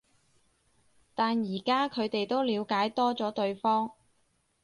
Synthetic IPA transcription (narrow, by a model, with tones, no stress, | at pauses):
t̪aː˨njiː˨˩kaː˥kʰɵ˨˧ɥt̪e˨jt̪o˥wliː˨˧wkaː˨˥jt̪ɔː˥t͡sɔː˨˥t̪ɵ˧ɥfɔː˥ŋ